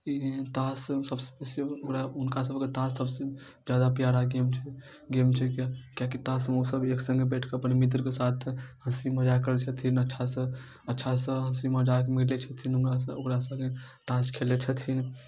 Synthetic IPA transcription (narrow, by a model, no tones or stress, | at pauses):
it̪assəbse̥pesəokɾaʊnkasəbket̪asːəbse | d͡ʒjad̪apjaɾaɡemt͡ʃʰɛ | ɡemt͡ʃʰɛkakjakit̪asmosəbeksə̃ŋɡebɛʈʰkeəpnemit̪̬ɾkesat̪ʰhəsiməd͡ʒakəɾət͡ʃʰət̪ʰinətːʃʰasə̃ | ətːʃʰasə̃ɦəsiməd͡ʒak̬emiɾlet͡ʃʰət̪ʰinʊkɾasokɾasəbket̪askʰelet͡ʃʰət̪ʰin